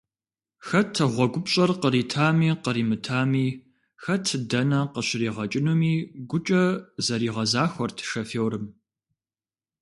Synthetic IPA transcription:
xɐtʰɨʁʷɔɡʷʊpɕʼɐrqəɾiːtʰaːmiːqəɾiːmɨtʰaːmiː | xɐtʰdɐnɐqəɕɪriːʁɐt͡ʃʼɪnumiːɡʷʊt͡ʃʼɐzɐɾiːʁɐzaːxʷɔrtʰʂɐfeːwɾɨm

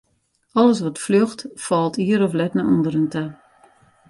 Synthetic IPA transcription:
ɔləs̬ʋɔtfløxtfɔlˠtiəɾɔflɛtnaʔɔndəɾəntʰa

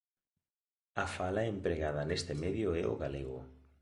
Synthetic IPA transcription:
afalaempɾeɣaðɐnest̪emeðjʊɛo̰ɣaleɣo̰

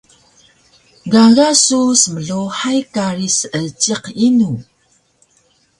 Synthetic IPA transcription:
ɡaɣasusəməɮuħajkaɾisət͡ʃiqinu

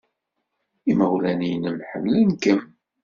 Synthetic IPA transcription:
iməwlænijnəmħə̰mlənkəm

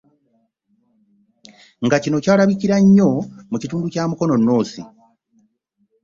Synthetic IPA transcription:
ŋɡacino̞caːlaβiciɾaɲːo̞mucituːnducaːmuko̞no̞nːo̞ːsi

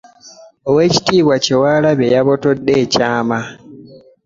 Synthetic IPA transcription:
owe̞ːci̥tiːβwacewaːlaβejaβo̞to̞dːeːcaːma

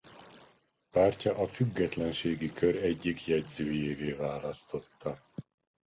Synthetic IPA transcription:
paːrcɒʔɒfyɡːɛt̪lɛnʃeːɡikøɾɛɟːikjɛɟzøːjeːveːvaːlɒst̪o̞t̪ʰːɒ

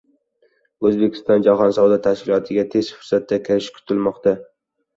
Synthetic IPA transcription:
ɵzbekʲʰɪ̥st̪ɒnd͡ʒaɦɒnsɒwd̪at̪ʰaʃkʲɪlˠɒt̪ʰɪɡʲat̪ʰe̞zfʊɾsat̪̚ːakʲʰɪɾɪʃkʰʊ̥t̪ʰɪlmɒqt̪a

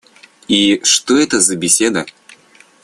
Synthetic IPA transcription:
iʂt̪oɛt̪əzɐbʲɪsʲed̪ɐ

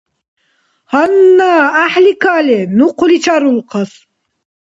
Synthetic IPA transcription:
hanːaːaħlikʰalɛnuqʰlit͡ʃʰaɾulqʰas

